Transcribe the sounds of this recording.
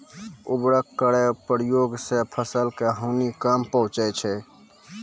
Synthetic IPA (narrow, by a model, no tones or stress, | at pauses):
ubɾəkːəɾepəɾjoɡsepʰəsəlkeɦəʊnikəmpəɦũt͡ʃəjt͡ʃʰɛ